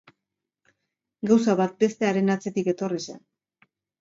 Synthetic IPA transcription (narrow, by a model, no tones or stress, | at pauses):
ɡawsaβat̪̚be̞st̪e̞aɾe̞nat͡se̞t̪ike̞t̪o̞risḛn